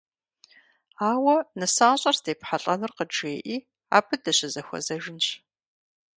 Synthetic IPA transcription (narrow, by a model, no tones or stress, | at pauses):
aːwɐnɐsaːɕʼɐrzdeːpħaɬʼɐnɨrqəʈ͡ʂʼeːʔiː | a̰ːbʰɨdɐɕɪzɐxʷɔ̰zɐʒɪnt͡ɕ